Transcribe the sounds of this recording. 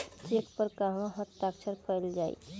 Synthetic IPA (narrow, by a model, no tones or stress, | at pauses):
t͡ʃeːkpəɾkaːɦʋãɦət̪ːaːkt͡ʃʰəɾpʰɛːld͡ʒaːḭː